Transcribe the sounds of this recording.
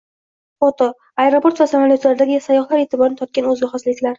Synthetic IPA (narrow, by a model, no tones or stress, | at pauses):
fot̪o | aeɾopʰo̞ɾt̪vasamalijot̪laɾɪd̪aɡʲɪsajɒχlˠaɾet̪ʰɪbɒɾnɪt̪ʰɒt̪̚kʲanɵzɪχaslɪkʲlaɾ